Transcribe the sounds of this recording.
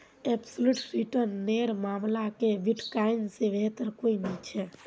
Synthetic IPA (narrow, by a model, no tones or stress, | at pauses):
ebsoluʈɾiʈəɾnːeɾmaːmlakeʋiʈkajnsebʱeɦt̪əɾkoinɛt͡ʃʰɛ